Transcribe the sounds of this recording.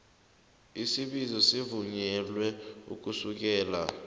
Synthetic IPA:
isiɓizɔsivuɲɛlwɛṵk̬usuk̬ɛːla̰

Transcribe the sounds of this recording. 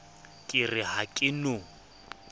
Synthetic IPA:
kʼɪrɪɦakʼɪno

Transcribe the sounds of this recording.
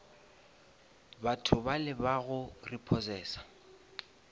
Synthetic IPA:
batʰʊbalɪbaɣʊripʰɔsɛːsḁ

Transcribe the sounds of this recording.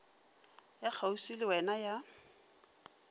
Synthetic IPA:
jak͡xʰausilɪwɛnaja

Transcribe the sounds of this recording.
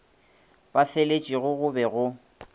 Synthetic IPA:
b̥afelet͡ʃʼiɣʊɣʊbɛɣʊ

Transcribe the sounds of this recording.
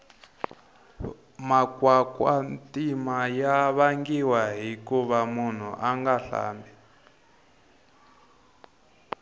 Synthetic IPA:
makwakwantimajaβaŋɡiwaɦikuβamun̤ṵʔaŋɡaɬa̰ːmbɛ

